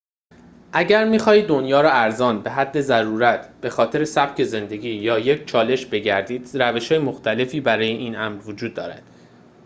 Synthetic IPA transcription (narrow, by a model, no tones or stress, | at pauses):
ʔæɟæɾmixɒːhiːd̪o̞njɒːɾɒːæɾzɒːnbe̞ɦæd̪ːe̞zæɾuːɾæt̪ʰb̥e̞xɒːt̪ʰe̞ɾe̞sæb̥̚cʰe̞ze̞nd̪e̞ɟʲiːjɒːje̞cʰt͡ʃʰɒːle̞ʃbe̞ɟæɾd̪iːd̪̥ɾæveʃhɒːjemoxt̪ʰæle̞fiːbæɾɒːjeʔiːnæmɾvod͡ʒuːd̪ːɒ̰ːɾæ̰nd̪̥